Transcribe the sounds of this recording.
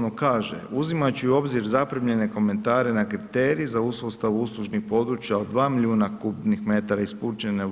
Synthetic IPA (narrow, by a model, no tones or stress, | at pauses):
nokaːʒḛuzimat͡ɕuuo̞bziɾzapɾimʎe̞ne̞ko̞me̞nt̪aːɾe̞nakɾit̪eɾiːzauspost̪aʋuuslˠuʒnixpo̞d̪ɾuːt͡ʃjaod̪d̪ʋaːmilʎʲjuːnakubnixme̞t̪aɾaispuːt͡ʃene